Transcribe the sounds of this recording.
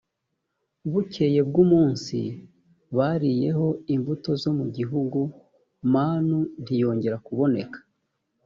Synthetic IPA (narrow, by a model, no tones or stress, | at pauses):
βuce̞je̞b̚ɡumuːnsḭ | βaɾije̞ɦo̞imvuto̞zo̞muɟiɦuɡu | maːnundijo̞ːɲɟe̞ɾakuβo̞ne̞kḁ